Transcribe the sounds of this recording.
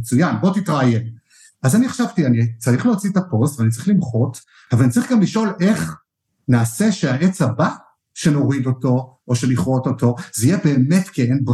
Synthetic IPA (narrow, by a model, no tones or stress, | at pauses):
t͡sujanbo̞titʁajen | azaniaχʃavtianit͡saʁiχleot͡sitapo̞sveanit͡saʁiχlimχo̞t | avalanit͡saʁiχɡamliʃo̞le̞χ | naːse̞ʃeaʔe̞t͡saba | ʃe̞no̞ʁido̞to̞ | oʃe̞niχʁo̞to̞to̞zijebe̞ːme̞tkeenb